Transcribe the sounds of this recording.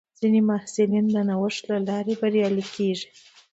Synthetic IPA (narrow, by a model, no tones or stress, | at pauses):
z̥inemahsɪlind̪ənawəʂt̪lalɑɾebaɾjɑlikeʐi̥